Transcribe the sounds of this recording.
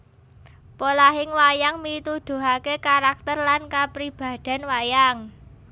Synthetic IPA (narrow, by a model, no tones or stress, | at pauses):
polaɦɪŋwajaŋmit̪ud̪̥ṳɦakekaɾak̚t̪ərlankapɾib̥a̤d̪̥a̤nwajaŋ